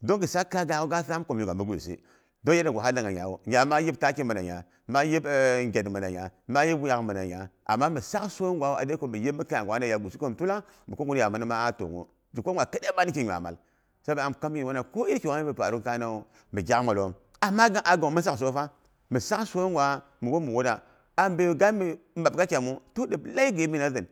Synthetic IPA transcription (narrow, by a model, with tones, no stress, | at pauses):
do˦ŋɡi˨sa˦kːa˦ɡa˨ko˦ɡa˦sa˦m˦ko˨m˨u˨ɡa˨mi˦ɡu˨ḭ˨sḭ˦ | do˦e˦di˨ɡʷo˨a˦la˨ŋa˨ɲa̰˨wo˨ɲa˨˦ma˦ji˦bta˦ki˦mə˨na˨ɲa̰˨ | ma˦ji˦bŋɡʲe˨dmə˨na˨ɲa˨ma˦ji˦bu˦ja˨kmə˨na˨ja˨ʔa̰˨mːa˦mi˨sa˦kso˦ŋɡʷwa˨˦wo˦˨a̰˨de˦ko˨˦mi˨ji˦mi˦ka˦ja˨ŋ˨wa˨˦na˨ja˨ɡu˨si˦ko˦m˨tu˦la˦mi˨ko˦ŋɡu˦n˦ja˨mə˨ni˦ma˦a˦to̰˨ŋṵ˦ | d͡ʒi˨kʷo˦a˨kə˦de˦ba˦ni˦ki˨ɲʷ˨a̰˨ma̰˨l | sa˦ba˨a˨m˨ka˦m˦ji˨wa˦na˨ko˦i˦ɾki˨a˦i˦bi˨pa̰˨ɾu˦ka˦na˦o˨ | mi˨d͡ʒʲa˦ma˨lo˦m | a˨ma˦ɡa˦ʔa˨ɡo˨ŋ˨mi˦s̬a˦ks̬o˦fa˦ | mi˨sa˦kso˦ŋɡwa˨ | mi˨wo˦mi˨wo˦da˨ | a˨mbe˦˨ɡa˦mi˨ | ma˨b̚ka˦t͡ʃa˨mu˦to˦di˨bla˦i˦ɡe˨˦mi˦na˦zɨ˨n